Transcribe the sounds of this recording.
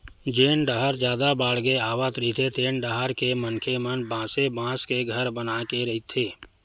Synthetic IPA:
d͡ʒeːnɖəɦəɾd͡ʒjaːd̪abaːɽɡeaːʋat̪ɾəit̪ʰet̪eːnɖaɦəɾkemənkʰemənbãːsebãːskeɡʱəɾbənakeɾɐɦit̪ʰːeː

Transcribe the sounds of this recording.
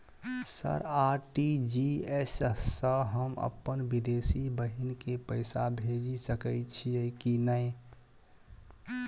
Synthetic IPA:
sə̰ɾaɾʈid͡ʒiessːəɦəmə̰pːənbid̪esibəɦinkepəɪsabʱed͡ʒisəkəɪt͡ʃʰiəɪkinəj

